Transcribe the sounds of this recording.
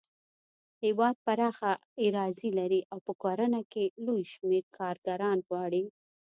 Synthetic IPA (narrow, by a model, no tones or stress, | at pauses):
hɪwɑd̪̚paɾɑxaɪɾɑzilaɾiʔawpəkoɾanakelojʃmeɾkʰɑɾɡaɾɑnɣwɑɽi